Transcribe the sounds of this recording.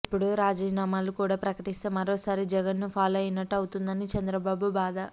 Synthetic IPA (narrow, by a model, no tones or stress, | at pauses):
ipːuɽuɾaːd͡ʒiːnaːmaːlukuːɽaːpɾɐkɐʈist̪eːmɐɾoːsaːɾid͡ʒɛɡɐnːupʰaːloːɐjinɐʈːɐwut̪und̪ɐnit͡ʃɛnd̪ɾɐbaːbubaːd̪ɐ